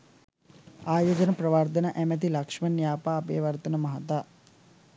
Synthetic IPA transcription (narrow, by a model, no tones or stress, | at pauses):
aːjoːd͡ʒənəprɐʋart̪ənəʔæmæt̪̬ilɐkʂmɐnjaːpaːpḛːʋɐrt̪ənəmɐɦɐt̪aː